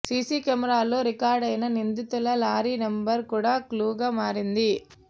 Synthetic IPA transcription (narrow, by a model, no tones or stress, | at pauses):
siːsikɐmɐɾaːloːɾɪkaːɾɖɐjnɐnind̪ɪt̪ːulɐlaːɾiːnɐmbɐɾkuːɽaːkluːɡaːmaːɾind̪i